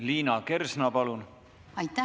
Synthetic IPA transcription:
liːnɑke̞rsnɑpɑlun | ɑjt̪ːæ

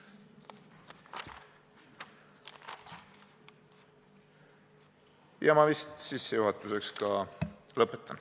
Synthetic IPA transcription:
jɑmɑvist̪sisːe̞juɦɑt̪ːˑuse̞kskɑlɤpːˑet̪ːˑɑn

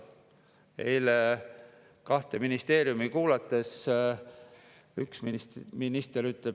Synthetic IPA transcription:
e̞jle | kɑht̪e̞minist̪e̞ːɾjumikuːlɑt̪ːˑe̞s | yksmminist̪eɾyt̪le

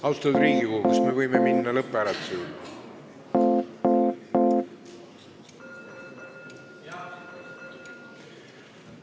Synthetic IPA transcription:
ɑwst̪ɑd̪ɾiːɡikoɦukɑsmevɤjmeminːɑlɤpːˑæɾɑt̪useylː

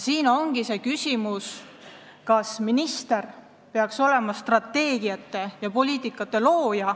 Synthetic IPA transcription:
siːno̞ŋɡ̥ise̞kysʲimus | kɑsminist̪e̞r | pe̞ɑkso̞le̞mɑst̪rɑt̪ːe̞ːɡiɑt̪ːˑe̞jɑpo̞lʲiːt̪ːˑikːˑɑt̪ːˑe̞lo̞ːjɑ

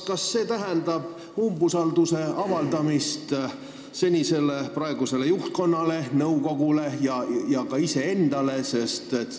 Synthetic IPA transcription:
kɑsːe̞ːt̪æɦɛnd̪̥ɑb̥̚ | umbusɑld̪̥use̞ɑvɑld̪ɑmist̪ | se̞nʲise̞le̞prɑe̞ɡ̥use̞le̞juht̪̚ko̞nːɑle̞nɤuko̞ɡ̥ule̞jɑjɑkɑise̞e̞nd̪̥ɑle̞se̞st̪et̪

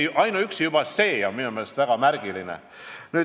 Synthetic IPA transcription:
ʔɑjnɑyksjub̥ɑse̞ːjɑnminume̞lest̪væɡ̥ɑmærɡ̥ilinḛ | nyː

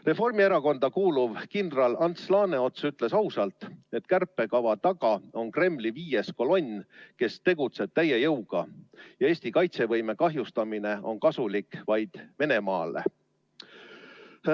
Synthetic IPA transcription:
re̞fo̞rmieɾɑko̞nd̪̥ɑkuːluvkind̪rɑlɑnt̪slɑːne̞o̞t̪syt̪ˑle̞sɑwsɑlt̪ˑe̞t̪kærpːˑe̞kɑvɑt̪ɑɡ̥ɑo̞nkre̞mːliviːje̞sko̞lo̞nʲːke̞st̪e̞ɡ̥ut̪se̞b̥̚t̪æje̞jɤwɡ̥ɑjɑe̞ːsʲt̪ikɑjt̪se̞vɤjme̞kɑɦjust̪ɑmine̞o̞̰nkɑsulikːˑvɑjd̪̥ve̞ne̞mɑːle̞̰

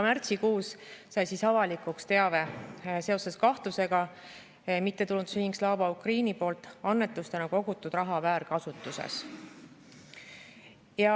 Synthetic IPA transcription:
mært̪sikuːssɑjsisɑvɑlikukst̪e̞ɑve̞se̞o̞se̞skɑht̪use̞ɡ̥ɑ | ejmit̪ːe̞t̪ulud̪syhiŋkslɑːvɑukriːnipo̞ːlt̪ːˑɑnːe̞t̪ːˑust̪e̞nɑko̞ɡ̥ut̪ːˑud̪̥rɑɦɑvæːɾkɑsut̪ˑːusḛs | jɑ

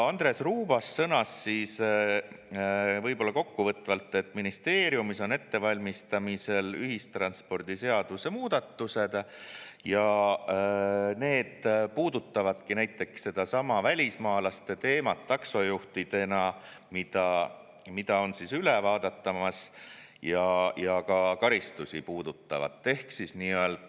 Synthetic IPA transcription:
ɑnd̪̥ɾe̞sruːb̥ɑsːɤnɑsːiːs | vɤjbo̞lːɑko̞kːuvɤt̪ːˑvɑlt̪ːˑe̞t̪ːˑminist̪e̞ːɾjumiso̞ne̞t̪ːe̞vɑlʲmist̪ɑmise̞lyɦist̪rɑnspo̞rd̪̥ise̞ɑd̪̥use̞muːd̪̥ɑt̪ːuse̞d̪̥jɑ | ne̞ːd̪̥puːd̪ut̪ˑːɑvɑd̪̥kinæjt̪ːˑe̞ksːe̞d̪̥ɑsɑmɑvælʲismɑːlɑst̪e̞t̪e̞ːmɑt̪ːɑkso̞juht̪id̪e̞nɑmid̪̥ɑ | mid̪̥ɑo̞nsisylevɑːd̪ɑt̪ːɑmɑs | jɑjɑkɑkɑɾist̪usipuːd̪̥ut̪ːɑ̰vɑ̰t̪ːe̞hksisniːøeld̪̥

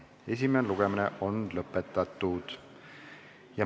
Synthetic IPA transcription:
e̞s̬ʲimeneluɡ̥eminḛʔo̞nlɤpːet̪ːˑɑt̪ːˑud̪̥ | jɑ

